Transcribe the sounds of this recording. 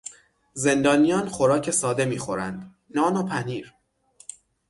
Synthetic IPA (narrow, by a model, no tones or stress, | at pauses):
ze̞nd̪ɒːnijɒːnxoɾɒːcʰe̞sɒːd̪e̞miːxo̞ɾænd̪ | nɒːnopʰæniːɾ